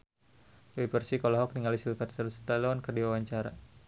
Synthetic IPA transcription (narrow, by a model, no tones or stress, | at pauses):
wepərsikɔlɔɦɔk̚niŋalisilfat̪səlst̪alɔnkərdiwawaɲt͡ʃaɾa̰